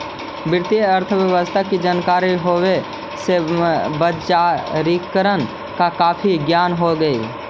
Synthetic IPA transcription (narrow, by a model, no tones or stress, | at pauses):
bɪɾt̪ijəɾt̪ʰəbjəʋəst̪ʰakid͡ʒaːnkaːɾiɦowe | sebət͡ʃaɾikəɾən | kakaːpʰiɡjaːnɦoɡəi